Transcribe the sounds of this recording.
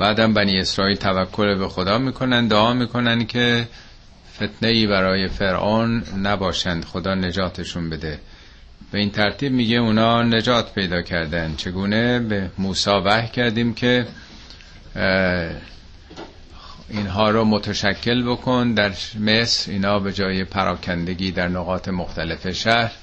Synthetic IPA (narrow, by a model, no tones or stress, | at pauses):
b̥æːd̪æmbæniːe̞sɾɒːiːlt̪ʰævækʰːo̞lebexod̪ɒːmiːkʰo̞nænd̪d̪oɒːmiːkʰo̞nænd̪̥cʰe̞ | fe̞t̪ʰnejiːβæɾɒːje̞fe̞ɾʔoːnːæbɒːʃænd̪̥xo̞d̪ɒːne̞d͡ʒɒːt̪ʰeʃunbe̞d̪e̞ | b̥e̞iːnt̪ʰæɾt̪ʰiːbmiːɟeunɒːne̞d͡ʒɒːt̪ʰpʰe̞jd̪ɒːcʰæɾd̪ænd̪̥t͡ʃʰe̞ɡuːne̞bemuːsɒːvæhcʰæɾd̪iːmcʰe̞ | iːnɦɒːɾomot̪ʰæʃækʰːe̞lbo̞kʰond̪æɾme̞sɾḭːnhɒːbe̞d͡ʒɒːje̞pʰæɾʔɒ̰ːkʰænd̪e̞ɡiːd̪æɾnoɣɒːt̪ʰe̞moxt̪ʰælefe̞ʃæɾ